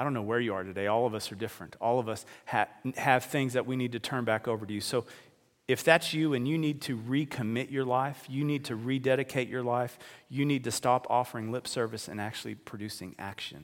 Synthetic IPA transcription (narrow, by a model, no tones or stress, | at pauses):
aɪdõʊ̃nːoʊwə˞jɨə˞ɾɨdeɪɔlˠʌvʌsə˞dɪfɹɨ̃ntʰɔlˠʌvʌshɨhɨv̥θɪ̃ŋzðɨʔ̚winid̚tʰɨtʰɜ̃˞nbækoʊvə˞ɨjʉsoʊ | ɨfðætsjɨɨ̃njɨnid̚tʰɨɹikʰɨmɪt͡ʃə˞laɪfjɨnid̚tʰɨɹidɛɾɨkʰeɪt͡ʃə˞laɪfjɨnid̚tɨstɑpʰɔfə˞ɪ̃ŋlɪpsɜ˞vɨsɨ̰̃næk̚t͡ʃʉl̩ˠipʰɹ̥ɨdʉsɪ̰̃ŋæ̰kʃɨ̰̃n